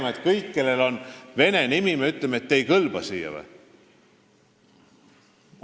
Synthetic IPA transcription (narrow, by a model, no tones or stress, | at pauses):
mɑet̪kɤjkːe̞lːe̞lo̞nve̞ne̞nimimeyt̪lemeet̪ːejkɤlb̥ɑsḭːjɑ̰vḛ